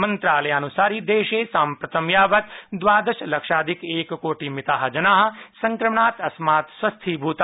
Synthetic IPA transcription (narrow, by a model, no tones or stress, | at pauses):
mɐnt̪ɾaːlɐjaːnusaːɾid̪eːʃeːsaːmpɾɐt̪ʰɐmjaːʋɐt̪d̪ʋaːd̪ɐʃlɐkʂaːd̪ʱikeːkkoːʈimit̪aːɦɐ̆d͡ʒɐnaːɦɐ̆sɐŋkɾɐmɳaːt̪ɐsmaːt̪sʋɐst̪ʰibʱuːt̪ː